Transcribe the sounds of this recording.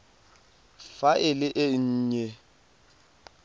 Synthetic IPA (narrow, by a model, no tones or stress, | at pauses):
faʔɪlɪʔɪɲ̩ːɲɛ